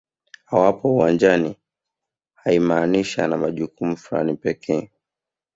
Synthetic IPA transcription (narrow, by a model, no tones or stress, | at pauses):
hawapɔuwand͡ʒani | haimaːniʃa̰namaʄukumufula̰nipɛkʰɛː